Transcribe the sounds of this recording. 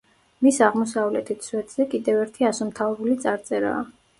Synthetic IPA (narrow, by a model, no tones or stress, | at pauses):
misaʁmɔs̬avlɛt̪ʰit̪swɛt̪ʰʼz̥ɛkʼid̪ɛvɛɾt̪ʰiasɔmt̪ʰavɾulit̪sʼaɾt̪sʼɛɾa̰ː